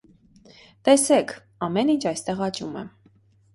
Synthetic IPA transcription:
t̪ɛsɛkʰ | ɑmɛnint͡ʃʰɑjst̪ɛʁɑt͡ʃumɛ̰

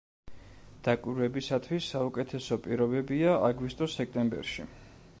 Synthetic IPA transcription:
d̪̥akʼwiɾvɛbisat̪ʰwisːaukʼɛt̪ʰɛsɔpʼiɾɔbɛbiaʔaɡwist̪ʼɔsɛk̚ʰt̪ʼɛmbɛ̰ɾʃḭ

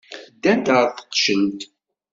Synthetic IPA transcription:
d̪æd̪əɾˤθə̥qːʃənt̪

